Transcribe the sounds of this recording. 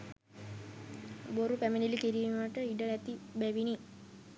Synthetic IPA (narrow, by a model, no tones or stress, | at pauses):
boɾupæminilikiɾiːmməʈəiɖəlæt̪ibæʋini